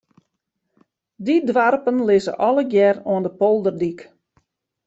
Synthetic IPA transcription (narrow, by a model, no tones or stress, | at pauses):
didʋarpənlɪzə̰ʔɔləɡjɛroəndəpolˠdərdik